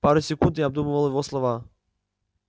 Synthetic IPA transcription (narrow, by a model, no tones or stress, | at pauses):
paɾʊsʲɛkund̪ɪjab̚d̪umʊvalˠɪvɔslˠɔva